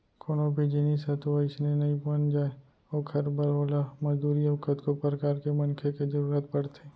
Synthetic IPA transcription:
koːnobʱid͡ʒeniːsɛt̪oɐɪsnenɐibɐnd͡ʒaːe | oːkʰɐɾbəɾaːlamɐd͡ʒd̪uːɾiɐʋʊkət̪kopɾəkaːɾkemɐnkʰekezəɾuːɾət̪̚pɐɽt̪ʰeː

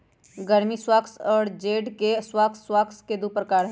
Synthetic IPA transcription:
ɡəɾmiswaːksɔːɾd͡ʒeːɖkeswaːkswaːksked̪upɾəkaːɾɦɛ

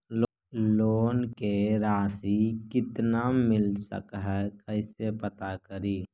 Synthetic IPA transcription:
l | loːnkeɾaːsikɪt̪namɪlsə̰kɦɛkəɪsepət̪akəɾiː

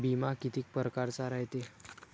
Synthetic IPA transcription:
bimakit̪iːk̚pəɾkaɾt͡saɾaɦjt̪e

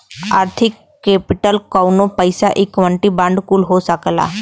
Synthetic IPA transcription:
a̰ɾt̪ʰikːepiʈəlkawnopəjsaʔekʋəɳʈiːbãɳɖkuːlɦosəkla̰

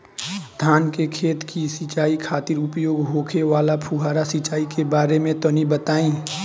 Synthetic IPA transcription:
d̪ʱaːnkekʰeːt̪kisɪt͡ʃaːikʰaːt̪ɪɾʊpjoːɡɦoːkʰeʋaːlapʰuɦaːɾasɪt͡ʃaːikebaːɾemẽt̪ɔnibət̪aːĩː

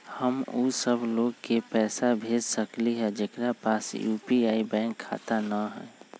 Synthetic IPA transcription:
həmuːsəbʱloːɡkepɛːsabʱeːd͡ʒsəkliɦɛ̃d͡ʒekɾapaːsjuːpiaːibɛ̃ːŋkʰːa̰ːt̪anaɦɛ̰̃ː

